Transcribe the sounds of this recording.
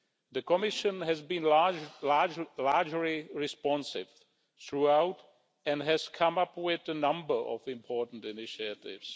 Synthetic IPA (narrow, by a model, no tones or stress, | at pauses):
ðɨkəmɪʃə̃nɨzbĩn | laɹd͡ʒliɹɪspɑ̃nsɪ̰v̥ | θɹuaʊt | ɨ̃nɦɨz̥kʰʌ̃mʌpwɪðənʌ̃mbə˞ʔɔ̰vɪ̃mpʰɔɹʔn̩tɪnɪʃətɪ̰vz̥